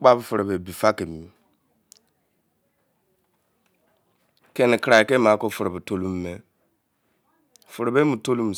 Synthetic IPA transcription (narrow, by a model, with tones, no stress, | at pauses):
k͡pa˦bfu˨ɾe˨be˨bi˨fa˦ke˨mi˨ | ke˨ni˨kɾa˨i˨ke˦ma˨˦ko˦˨fu˨ɾbi˨to˦lu˦m˦me˦˨ | fu˨ɾe˨be˦mu˨to˦lu˦m̩˨